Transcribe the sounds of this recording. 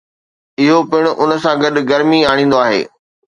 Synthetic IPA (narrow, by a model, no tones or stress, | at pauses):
ɪɦopɪɽ̃ʊʔʊnəsãɡɐɗɡɐɾmiaːɽ̃ːn̆d̪oaːɦḛː